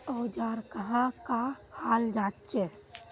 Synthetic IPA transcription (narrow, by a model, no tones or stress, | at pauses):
ɔwd͡ʒaːɾkəɦãkahaːld͡ʒatt͡ʃe